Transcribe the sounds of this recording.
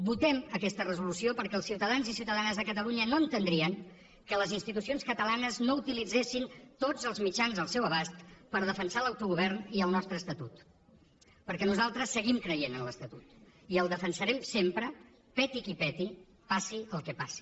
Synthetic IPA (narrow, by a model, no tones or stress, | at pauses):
but̪ɛməkɛst̪ərəzulusiopəɾkɛəlˠsiwt̪əðanzisiuwt̪əðanəzðəkət̪əluɲənoənt̪ənd̪ɾiəŋ | kələzinst̪it̪̬usionskət̪əlanəznout̪ilid͡zesint̪od͡zəlˠzmid͡ʒanzəlˠsɛwəβast̪pəɾð̞əfənsaləwt̪uɣuβ̞ɛrniəlˠnɔst̪ɾəːst̪ət̪ut̪ | pəɾkɛnuzalˠt̪ɾəsːəɣimkɾəjenənləst̪ət̪ut̪ | iəlˠd̪əfənsəɾɛmsempɾə | pɛt̪ikipɛt̪i | pasiəlˠkɛpasi̥